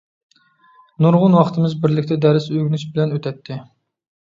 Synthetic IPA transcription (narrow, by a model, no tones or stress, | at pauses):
nuɾʁʊnwɑχt̪ʰɨmɪzbɪɾlɪkʲt̪ʰɛd̪æɾɪsøɡʲnyʃbɪlɛnøt̪ʰɛt̪ʰːɪ